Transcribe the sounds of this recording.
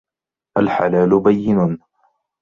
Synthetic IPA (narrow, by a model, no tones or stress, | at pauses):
ʔalħalaːlʊbajːɪnʊ